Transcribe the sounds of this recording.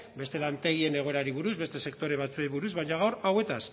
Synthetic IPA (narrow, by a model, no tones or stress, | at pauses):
be̞st̪e̞lant̪e̞ɣ̞ie̞ne̞ɣ̞o̞eɾaɾiβuɾuzβe̞st̪e̞se̞kt̪o̞ɾe̞β̞at͡sueiβuɾuzβajɲaɣawɾawe̞t̪as